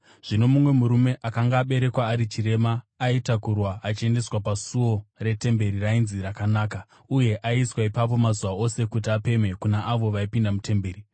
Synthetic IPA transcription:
ʐ̥ino̞mumwe̞muɾume̞ʔakaŋɡaːɓe̞ɾe̞kwaːɾit͡ʃire̞maːitakurwaat͡ʃie̞nde̞swapasuo̞re̞te̞mbe̞ɾirainzirakanaːka | uje̞ʔaiswaipap̬o̞mazuʋao̞se̞kut̬iape̞me̞kunaʔaʋo̞ʋaipindamute̞mbe̞ːɾi

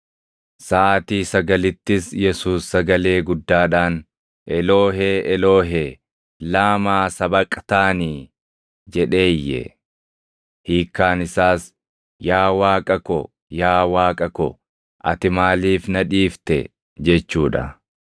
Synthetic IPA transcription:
saːt̪iːsɐɡɐlɪt̪ːɪsjɛsuːsːɐɡɐle̞ːɡʊd̪ːaːᶑaːn | ʔɛloːɦeːɛlo̞ːɦeː | laːmaːsɐbɐkʼt̪aːniː | d͡ʒɛᶑe̞ːjːɛ̰ | hiːkːaːnɪsaːs | jaːwaːkʼɐkɔ | jaːwaːkʼɐkɔ | ʔɐ̰t̪ɪmaːliːfnɐᶑiːft̪ɛ̰ | d͡ʒɛt͡ʃːuːᶑɐ̰

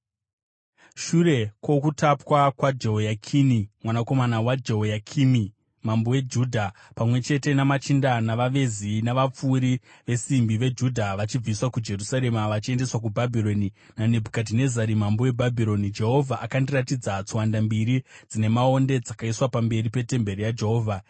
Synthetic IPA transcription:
ʃuɾe̞kwo̞kutapwakwad͡ʒeɦojakʰinimwanako̞manawad͡ʒeɦojakʰimi | mambowe̞d͡ʒuːdʱa | pamwe̞t͡ʃe̞te̞namat͡ʃindanaʋaʋe̞zinaʋap͡fuːɾiʋe̞simbiʋe̞d͡ʒudʱaʋat͡ʃib͡viswakud͡ʒe̞rusaɾe̞maʋat͡ʃie̞nde̞swak̬ubʱabʱiɾo̞ni | nane̞bʱukadine̞zaɾimambowe̞bʱabʱiɾo̞nid͡ʒe̞ɦo̞vʱaʔakandiratid͡zat͡sowandambiɾid͡zine̞mao̞nde̞d͡zakaiswapambe̞ɾipe̞te̞mbe̞rijad͡ʒe̞ɦo̞ːvʱa

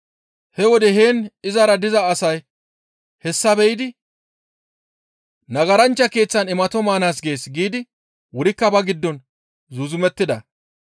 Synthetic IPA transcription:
hɛwɔd̪ɛɦe̞ːnɪzɐɾɐd̪ɪzɐːsɐj | hɛsːɐbɛjɪd̪ɪ | nɐɡɐɾɐnt͡ʃːɐke̞ːt͡sːɐnɛmɐt̪ɔmaːnaːs̬ɡe̞ːsɡiːd̪ɪ | wʊɾɪkːɐbɐɡɪd̪ːɔn | zʊzʊmɛt̪ːɪd̪ɐ̰

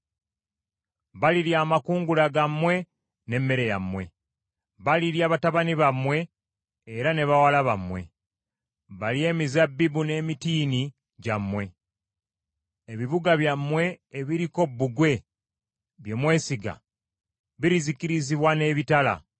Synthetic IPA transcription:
βaliɾjaːmakuːŋɡulaɡamːwe̞ | ne̞mːe̞ɾe̞ja̰mwe̞ | βaliɾjaːβataβaniβamwe̞ː | ɾane̞βawalaβamwe̞̰ | βalie̞ːmizabːibune̞ːmitiːni | ɟamːwe̞ | eβiβuɡaβjamːwe̞ːβiɾiko̞bːuɡwe̞ | βjo̞mwe̞ːsiɡa̰ | βiɾizikiɾiziβwane̞βitala̰

